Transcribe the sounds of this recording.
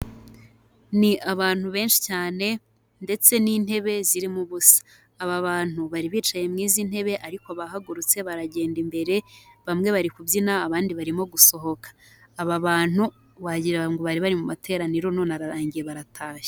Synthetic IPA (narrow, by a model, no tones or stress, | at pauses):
niʔaβaːn̥huβe̞ːnʃi̥caːne̞ | nde̞t͡se̞niːnhe̞βe̞ziɾimuβusḁː | βaβaːn̥uβaɾiβiːt͡ʃaje̞mŋiːzin̥he̞βe̞ʔaɾiko̞βaɦaɡuɾut͡se̞βaɾaɟe̞ːndimbe̞ɾe̞βamŋe̞βaɾikubjinaːβaːndiβaɾimo̞ɡuso̞ɦo̞kḁː | βaβaːn̥u | βaɟiɾaŋɡoβaɾiβaɾimumatʰe̞ːɾaniɾo̞no̞ːnaɾaɾaːɲɟije̞βaɾatʰaːʃe̥